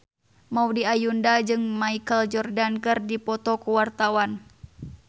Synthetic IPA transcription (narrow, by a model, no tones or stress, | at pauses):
maudiajundad͡ʒɨŋmaikəld͡ʒɔrdankɨrdipɔt̪ɔkuwart̪awan